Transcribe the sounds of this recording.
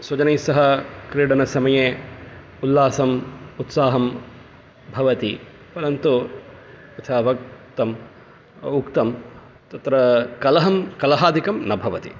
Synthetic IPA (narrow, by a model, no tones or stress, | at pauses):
swɐd͡ʒɐneːsɐɦɐkɾiːɽɐnɐsɐmɐjeː | ulːaːsɐmut̪saːɦɐm | bʱɐʋɐt̪i | pɐɾɐnt̪u | ɐt͡ʃʰaːʋɐk̚t̪ɐm | ukt̪ɐm | t̪ɐt̪ɾɐkɐlɐɦɐmkɐlɐɦaːd̪ʱikɐmnɐbʱɐʋɐt̪ḭ